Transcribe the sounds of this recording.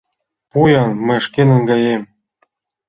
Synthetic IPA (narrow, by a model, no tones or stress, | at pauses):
pujɑnmə̆ʃkenɤ̆ŋɡɑjem